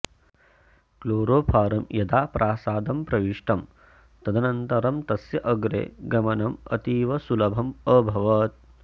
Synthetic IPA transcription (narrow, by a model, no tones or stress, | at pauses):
kloːɾoːpʰaːɾɐmjɐd̪aːpɾʔaːsaːd̪ɐmpɾɐʋiʂʈʰɐm | t̪ɐd̪ʱɐnɐnt̪ɐɾɐmt̪ɐsjɐʔɐɡɾḛːɡɐmɐnɐmɐ̰t̪iːʋɐsulɐbʱɐməːbʱɐʋɐt̪̚